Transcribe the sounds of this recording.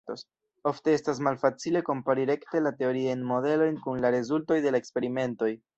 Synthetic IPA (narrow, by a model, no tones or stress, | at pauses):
tos | o̞fte̞estas̬malfat͡sile̞ko̞mpaɾiɾe̞kte̞late̞oɾiajnmo̞de̞lo̞jnkunlaɾe̞zulto̞jde̞laekspe̞ɾime̞nto̞j